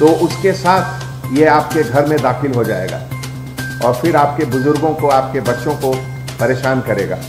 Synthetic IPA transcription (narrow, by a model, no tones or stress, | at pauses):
t̪oːʔʊskesaːt̪ʰ | jeaːp̚keɡʱɐɾmẽd̪aːxɪlɦod͡ʒa̰ːḛːɡa̰ː | ɔːɾfɪɾaːp̚kebʊzʊɾɡõkoaːp̚kebɐʈːʃõko | pɐɾeːʃaːnkɐɾḛːɡa̰ː